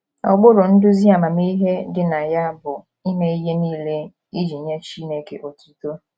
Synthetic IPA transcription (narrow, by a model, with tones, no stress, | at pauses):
ɔ̰˨ɡ͡bʊ˦ɾʊ˨n̩˦dʊ˦zi˦a˨ma˨mi˦i˦ɦe˦dɪ˦na˨ja˦bʊ˨ | i˦me˦i˦ɦe˦niː˦le˦ | i˦d͡ʒi˨ɲe˦t͡ʃi˦ne˨kḛ˨ʔo˨tu˨˦to˦